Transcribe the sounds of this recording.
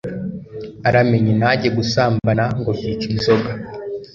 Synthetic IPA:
aɾame̞ɲinaɟeɡusaːmbanaŋɡo̞βit͡ʃinzo̞ɡa

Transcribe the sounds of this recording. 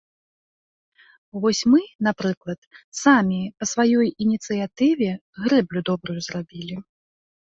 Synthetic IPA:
vɔsʲmɨnapɾɨklˠɐt̪samʲipɐsvajɔjinʲit̪sɨjat̪ɨvʲɛ | ɣɾɛblʲud̪ɔbɾujuzrabʲilʲi

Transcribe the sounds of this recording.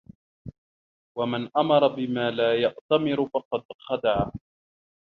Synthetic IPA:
wamanʔamɑɾˤɑbɪmaːlaːjaʔt̪amɪɾʊfɑqɑd̪xad̪aʕa

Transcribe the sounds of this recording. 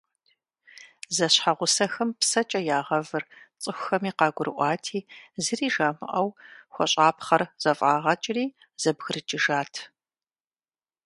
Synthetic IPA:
zɐɕħaʁʷʊsɐxɐmpsɐt͡ʃʼɐjaːʁɐvɨrt͡sʼɨxʷʊxɐmiːqɑːɡʷʊɾɨ̰ʔʷɑːtʰiːzɨriːʒaːmɨ̰ʔɐwxʷɔɕʼaːpχɐrz̥ɐfʼaːʁɐt͡ʃʼɪriː | z̥ɐbɣɨrɨt͡ʃʼɪʒaːtʰ

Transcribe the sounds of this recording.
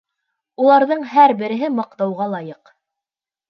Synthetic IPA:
ulˠɑɾðɤɴɦæɾbɘ̆ɾɘ̆ɦɘmɑq̚t̪ɑwʁɑlˠɑjɤq

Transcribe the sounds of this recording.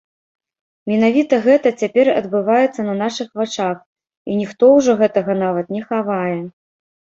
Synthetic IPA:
mʲɛn̪avʲit̪ɐɣɛt̪ɐt͡sʲapʲɛrɐ̰d̪bɨvajɛt̪sːɐnɐnaʂɨxvat͡ʂax | inʲixt̪ɔwʐɔɣɛt̪ɐɣɐnavɐt̪nʲɛxavajɛ

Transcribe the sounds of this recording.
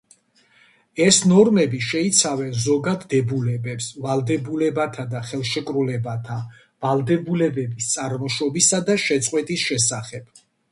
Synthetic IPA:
ɛsnɔɾmɛbiʃɛit̪sʰavɛnzɔɡad̪ːɛbulɛbɛpsvalˠd̪ɛbulɛbat̪ʰad̪aχɛlˠʃɛkʼɾulɛbat̪ʰa | valˠd̪ɛbulɛbɛbist̪sʼaɾmɔʃɔbisad̪aʃɛt̪sʼqʼwɛt̪ʼisʃɛsaχɛb̥

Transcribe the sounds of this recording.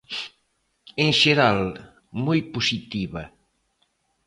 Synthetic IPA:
eŋʃeɾal | mojposit̪iβɐ

